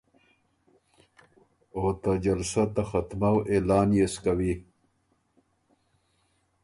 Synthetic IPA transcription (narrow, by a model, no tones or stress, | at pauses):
oːt̪ad͡ʑalsat̪axat̪mawelaːnjeskawi